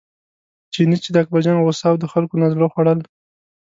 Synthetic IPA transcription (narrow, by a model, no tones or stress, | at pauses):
t͡ʃinit͡ʃed̪əak̚bad͡ʒɑnɣosɑwd̪əxalkonazloxwaɽəl